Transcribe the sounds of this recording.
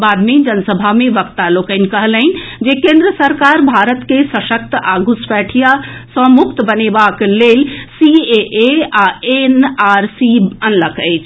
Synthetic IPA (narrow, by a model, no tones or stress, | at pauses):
bad̪med͡ʒənsəbʱamẽʋəkt̪alokən̆kəɦələɪnd͡ʒekẽnd̪ɾəsəɾkaːɾbʱaɾət̪kesəʃək̚t̪aːɡʱuspɛːʈʰijasə̃mukt̪bənebakleːlsieʔeaenaɾsiənləkʰəɪt͡ʃʰ